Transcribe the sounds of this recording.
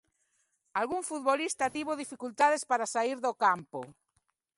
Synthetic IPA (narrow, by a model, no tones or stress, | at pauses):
alɣuŋfut̪̚βolist̪at̪iβoðifikult̪aðespaɾasaiɾðokampo